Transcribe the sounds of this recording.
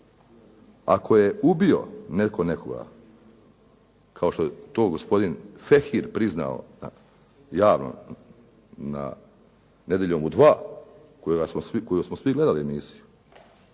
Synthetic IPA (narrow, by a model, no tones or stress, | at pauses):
a̰kʰo̞je̞ubio̞̰nekʰo̞nekʰo̞̰ɡa̰ | kʰao̞ʃt̪ojet̪o̞ːɡo̞spo̞d̪infexiɾpɾizna̰o̰na̰ | jaːʋno̰ | na̰ | ne̞d̪ʲjeʎomud̪ʋaː | koɡasmosikojusmosʋiɡle̞d̪aliemiːsi̥ju